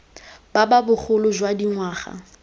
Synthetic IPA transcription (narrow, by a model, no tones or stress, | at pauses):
bababʊk͡xʰʊlʊʒwadiŋwaːχa̰